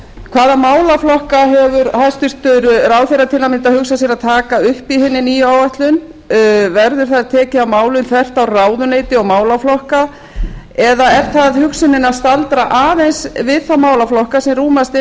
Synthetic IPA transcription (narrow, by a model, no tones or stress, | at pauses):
kʰvaːðamaːwlaflɔhkaɦɛvʏɾhajst̪ʏr̥t̪ʏɾraːwθeɾːat̪ʰɪlamɪnt̪ahʏksasjɛɾaðt̪ʰaːkaʏhpiɦɪnːɪniaːwvajht̪lʏn | vɛɾðʏɾ̥θaðɾat̪ʰɛːcɪawmaːwlʏnθvɛr̥t̪awraːwðʏneːjt̪ɪɔɣmaːwlaflɔhka | ɛðaɛɾ̥θaðhʏksɪnɪnast̪alt̪ɾaʔaːðejnsvɪðθamaːwlaflɔhkasɛmruːmast̪ɪ